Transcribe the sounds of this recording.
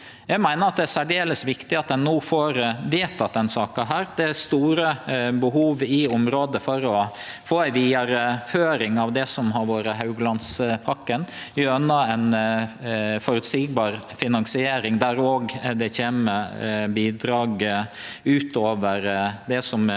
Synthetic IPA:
jæɪɡmæɪnəɾɑt̪̚d̪ɛæsæɖeːləsʋɪkt̪ɪɑt̪̚d̪ɛnnːuːfoːɾʋeːt̪ɑt̪̚d̪ɛnsɑːkɑɦæːɾd̪ɛæst̪uːɾəbəɦuːʋɪʊmɾoːd̪əfɔɾɔ | foːæɪʋiːɑɾəføːɾɪŋɑʋd̪ɛsɔmɦɑɾʋoːɾəɦɑʉɡlɑnspʰɑkːən | ʊœnːɑæn | fɔɾʉt̪siːɡ̚bɑːɾfɪnɑŋsɪeːɾɪŋd̪æɾoːɡd̪ɛçeːməbiːd̪ɾɑːɡ | ʉːt̪oːʋəɾd̪ɛsɔm

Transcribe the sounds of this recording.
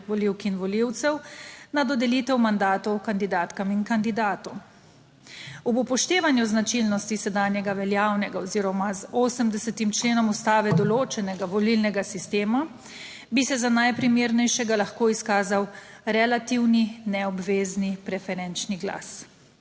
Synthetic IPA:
ʋɔliwkinʋɔliwt̪sɛwnad̪ɔd̪ɛliːt̪ɛwmand̪aːt̪ɔwkand̪id̪aːt̪kamiŋkand̪id̪aːt̪ɔw | ɔbupɔʃt̪eːʋanjuznat͡ʃilnɔst̪isɛd̪aːnjɛɡaʋɛljaːwnɛɡaɔziɾɔmazoːsəmd̪ɛsɛt̪imt͡ʃleːnɔmust̪aːʋɛd̪ɔloːt͡ʃɛnɛɡaʋɔlilnɛɡasist̪eːma | bisɛzanajpɾimeːɾnɛjʃɛɡalaxkoːiskaːzaw | ɾɛlat̪iwninɛɔbʋeːznipɾɛfɛɾɛnt͡ʃniɡla̰s

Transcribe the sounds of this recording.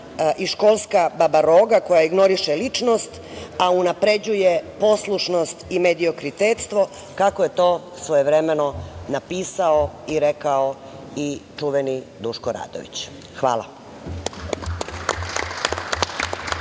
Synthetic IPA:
ʔiʃko̞lˠskababaɾoːɡako̞jaiɡno̞ɾiʃelit͡ʃno̞st̪ | aunapɾe̞d͡ʑuje̞po̞slˠuʃno̞st̪imed̪io̞kɾit̪et̪st̪ʋo̞ | kakoje̞t̪o̞ː | sʋojeʋɾe̞me̞nonapiːsaoiɾekao | it͡ʂuʋenid̪uʃkoɾa̰ːd̪o̰ʋḭt͡ɕ | xʋa̰ːlˠa̰

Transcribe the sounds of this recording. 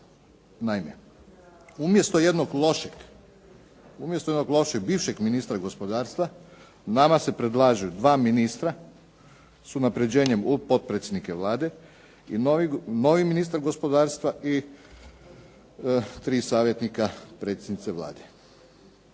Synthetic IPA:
naime | umje̞st̪oje̞d̪noɡlˠo̞ʃeɡ̥ | umjest̪ojenoɡlˠo̞ʃeɡ̚biːʋʃeɡminist̪ɾaɡo̞spo̞d̪aːɾst̪ʋa | namase̞pɾed̪lˠaːʒujud̪ʋaːminist̪ɾa | sunapɾe̞d͡ʑe̞ːɲe̞mupo̞t̪̚pɾet̪sʲjed̪nikeʋlˠaːd̪e̞ | ḭnoino̞ʋiminiːst̪aɾɡo̞spo̞d̪aːɾst̪ʋaʔi | t̪ɾiːsaːʋje̞t̪nikapɾe̞ːt̪sʲed̪nit̪seʋlˠa̰ːd̪e

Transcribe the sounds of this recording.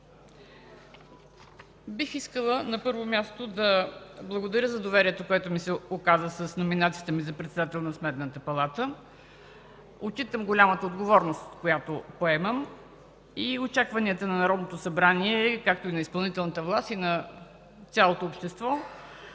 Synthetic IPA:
bixiskəlˠənɐpɤɾvomʲjast̪od̪ɐblˠəɡod̪ɐɾʲəzɐd̪ovɛɾiɛt̪okoɛt̪omisɛokazəsəsnominat̪sijət̪əmizɐpɾɛt̪sɛd̪at̪ɛlˠnɐsmɛt̪nət̪əpɐlˠat̪ə | ot͡ʃit̪əmɡolʲamət̪əod̪ɡovɔɾnost̪t̪kojat̪opoɛməm | iot͡ʃakvɐniət̪ənɐnɐɾɔd̪not̪osɐbɾaniɛkak̚t̪oinɐispɐlˠnit̪ɛlˠnət̪əvlˠast̪inɐ | t̪sʲalˠot̪oːpʃt̪ɛst̪vɔ

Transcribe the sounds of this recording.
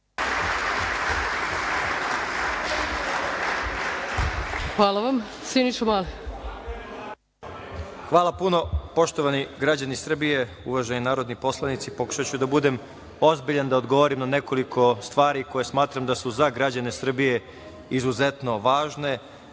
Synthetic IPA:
xʋaːlˠaʋam | sinit͡ʃomaːli | xʋaːlˠapuno̞po̞ʃt̪o̞ʋaniɡɾad͡ʑanisr̩bije̞ | ṵʋaʒeninaːɾo̞d̪nipo̞slˠanit̪sipo̞ku̥ʃat͡ɕud̪abud̪e̞m | o̞zbiʎand̪aod̪ɡo̞ʋoɾimnane̞ko̞likʰo̞st̪ʋaːɾiko̞jesmaːt̪ɾamd̪asuzaɡɾad͡ʑane̞sr̩bije | izuze̞t̪no̞ʋaːʒne̞

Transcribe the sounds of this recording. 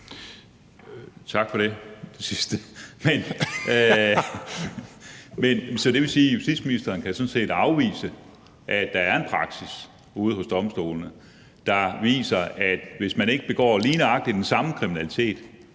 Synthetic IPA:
t͡sʰɑ̈ɡ̥fɒ̽ɾe̝d̥e̝sisd̥əmen | mensɒ̽d̥e̝ʋe̝siːjusd̥id̥sminisd̥ɐːnkʰæsɔ̽nse̝̰ːd̥ɑ̈ʊʋḭːsə | ʔæd̥ɑ̈æɐe̝npʰʁɑ̈ɡ̥sis | uːð̞̩ˠɦɔ̽sd̥ɒ̽msd̥o̝̰ːlnə | d̥ɑ̈ʋḭːsɐæd̥ʋe̝smæne̝ɡ̥əb̥e̝ɡ̥ɒ̰ːliːnəɑ̈ɡ̥̚d̥id̥ensɑ̈məkʰʁiminælit͡sʰe̝̰ːd̥

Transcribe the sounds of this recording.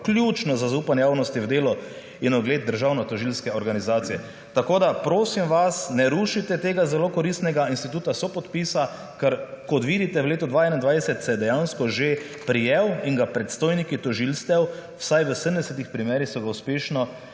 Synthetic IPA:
klʲjut͡ʃnɔzazauːpanjɛjaːwnɔst̪iwd̪eːlɔ | inɔd̪ɡleːd̪̚d̪əɾʒaːwnɔt̪ɔʒilskɛɔɾɡanizaːt̪sijɛ | t̪akoːd̪apɾoːsimʋasnɛɾuʃit̪ɛt̪eːɡazɛlokɔɾist̪nɛɡainst̪it̪uːt̪asɔpɔt̪piːsa | kəɾkɔt̪ʋiːd̪it̪ɛwleːt̪ud̪ʋaɛnind̪ʋajɛsɛt̪sɛd̪ɛjanskɔʒe | pɾijɛwiŋɡapɾɛt̪st̪oːjnikit̪ɔʒilst̪ɛwwsajʋəsəmd̪ɛsɛt̪ixpɾimɛːɾixsɔɡauspeːʃnɔ

